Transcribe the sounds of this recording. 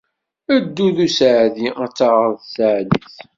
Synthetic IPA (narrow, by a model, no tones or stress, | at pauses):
əd̪ːuðusʕðiæt͡sːəʁɾˤðsəʕliθ